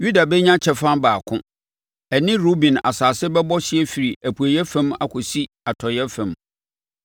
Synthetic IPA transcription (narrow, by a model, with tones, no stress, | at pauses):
ju˦da˨bɛ˦ɲã˦t͡ɕʰɛ˨fã˦baː˨kʰʊ̰̃˦ | ɛ˨nɪ̃˦ɾo˦bĩ˨na̰˨saː˨sɪ˦bɛ˦bɔ˦ɕɪ˦ɛ˦fi˨ɾi˨ʔæ˨pʰu˨æ˨jɛ˦fɛ̃˦ma̰˨kʰʊ˨si˦ | a˨tʰɔ˨jɛ˦fɛ̃˨m